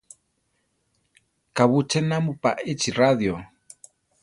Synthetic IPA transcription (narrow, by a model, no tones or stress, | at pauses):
kaβut͡ʃɛnamupaʔɪt͡ʃiraðjo